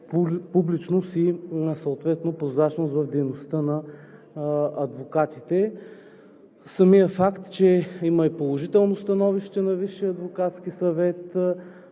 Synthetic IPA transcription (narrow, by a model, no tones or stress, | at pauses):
publit͡ʃnosisoot̪vɛt̪nopɾozɾat͡ʃnosvɐfd̪ɛjnost̪ənɐ | ɐd̪vokat̪it̪ɛ | sɐmijəfakt̪t͡ʃɛimɐipolˠoʒit̪ɛlˠnost̪ɐnɔviʃt̪ɛnɐviʃːiɐd̪vokat̪skisɐvɛt̪